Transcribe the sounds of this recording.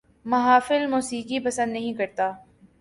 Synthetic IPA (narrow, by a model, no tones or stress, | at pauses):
mɐɦaːfɪlmuːsiːkipɐsə̃nd̪nɐɦĩkɐɾt̪aː